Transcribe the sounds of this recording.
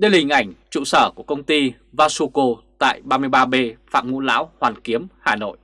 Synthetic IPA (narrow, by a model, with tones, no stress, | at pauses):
ɗe˧lhï˨˩ŋ̟ʔa˧˩jŋ̟t͡ɕṵ˧˨səː˧˩ku˧˩əkə˧wŋ͡mt̪i˧ | vaː˧su˧ko˧t̪a̰ː˧˨jɓaː˧mɨ˧əjɓaː˧ɓe˧fa̰ː˧˨mŋṵ˧˥la̰ː˧˥whwaː˨˩nki˨˦əmhaː˨˩no̰˧˨jʔ